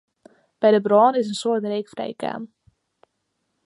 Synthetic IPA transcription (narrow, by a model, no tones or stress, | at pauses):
b̥ɛjdəbrɔːnɪs̬ənsotreːkfrɛ̰jka̰ːm